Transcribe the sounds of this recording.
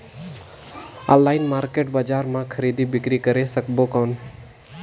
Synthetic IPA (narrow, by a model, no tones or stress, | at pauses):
ɔ̰̃llːaɪnmaːɾkeʈbad͡ʒaːɾmãkʰəɾid̪ibɪkɾikəɾesəkbokɔːn